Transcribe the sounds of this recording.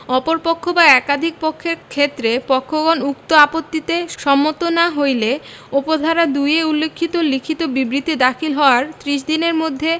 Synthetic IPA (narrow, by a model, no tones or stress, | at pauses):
ɔpoɾpokʰːobaɛkad̪ʱik̚pokʰːeɾkʰet̪ːɾepɔkʰːoɡonuk̚t̪oapot̪ːit̪eʃɔmːot̪onaɦojle | opod̪ʱaɾad̪ujeulːekʰːit̪olikʰit̪obibɾit̪id̪akʰilɦɔoaɾt̪ɾiʃ̬d̪ineɾmod̪ʱːe